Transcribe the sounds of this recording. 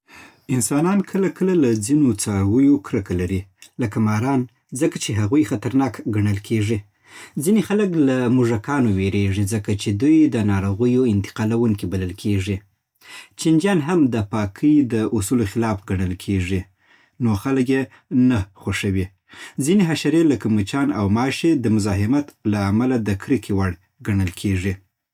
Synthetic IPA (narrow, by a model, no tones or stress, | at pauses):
ɪnsɑnɑnkʰəlakəlalad͡zinot͡sɑɾwəjokɾəkalaɾilakamɑɾɑn | zəkat͡ʃeɦaɣujxat̪aɾnɑkɡaɳəlkʰeʐi | zinexaləklamʊʐakɑnoweɾeʐizəkat͡ʃed̪ujd̪ənɑɾoɣəjoɪnt̪ɪ̥qɑlawuŋkibaləlkʰeʐi | t͡ʃind͡ʒjɑnɦamd̪əpɑkʰəjd̪əʔʊsuloxɪlɑfɡaɳəlkʰeʐi | noxaləkje | naxoʂəwi | zineɦaʃaɾelakəmut͡ʃɑna̰wmɑʃed̪əmʊzɑɦɪmat̪laːmalad̪əkʰɾikʰiwaɽ | ɡaɳəlkʰeʐi